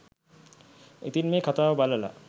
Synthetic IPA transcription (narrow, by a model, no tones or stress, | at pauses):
et̪inmekʰat̪awbalala̰